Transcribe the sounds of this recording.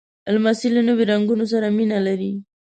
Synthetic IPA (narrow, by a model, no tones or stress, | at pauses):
almasilunoβeɾaŋɡunos̬aɾaminalaɾi